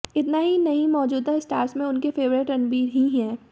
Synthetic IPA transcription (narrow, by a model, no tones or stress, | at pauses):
ɪt̪naɦinɐɦĩmɔːd͡ʒuːd̪aɪsʈaːɾsmẽʊnkefeːʋɾɪʈɐ̃nbiːɾɦiɦɛ̃ː